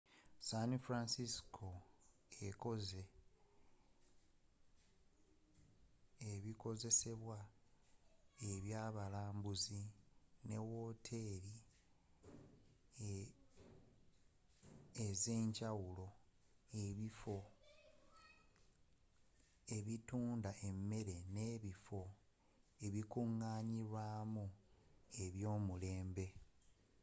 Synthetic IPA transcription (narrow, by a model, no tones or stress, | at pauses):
sanifɾansiskʰo̞ | eko̞ze̞ | eβiko̞ze̞se̞βwa | e̞βjaːβalaːmbuzine̞wo̞tʰe̞ɾi | eze̞ːɲɟawulo̞ | eβifo̞ | e̞βituːndaʔe̞mːe̞ɾe̞ne̞ːβifo̞ | e̞βikuŋːaːɲiɾwaːmu | e̞βjo̞ːmule̞ːmbe̞